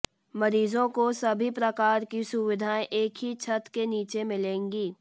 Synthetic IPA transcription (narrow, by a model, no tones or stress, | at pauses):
mɐɾiːzõkosɐbʱipɾɐkaːɾkisʊʋɪd̪ʱaːeʔeːkɦit͡ʃʰɐt̪keniːt͡ʃemɪlẽːŋɡiː